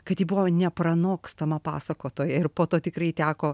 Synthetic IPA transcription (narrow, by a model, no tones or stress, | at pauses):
kɐt̪jiːbʊʋoːnʲɛprɐnoːkst̪ɐmɐpɑ̰ːsɐkoːt̪oːjɛɪrpoːt̪oːt̪ʲɪkɾɐɪt̪ʲæːkoː